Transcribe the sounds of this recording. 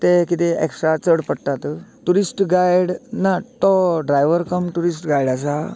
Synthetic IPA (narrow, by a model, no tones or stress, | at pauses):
t̪ekit̪eḛksʈɾat͡səɽpəɽt̪at̪ʈuɾisʈɡajɽnat̪ɔɖɾajʋəɾkəmʈuɾisʈɡajɽas̬a